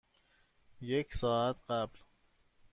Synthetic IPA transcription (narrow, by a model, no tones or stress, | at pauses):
jekʰsɒːæt̪ʰɢæbl